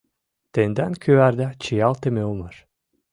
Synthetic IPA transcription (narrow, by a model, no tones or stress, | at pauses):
t̪end̪ænkʲʰøæɾd̪æt͡ʃʰijalˠt̪emeolˠmaɾ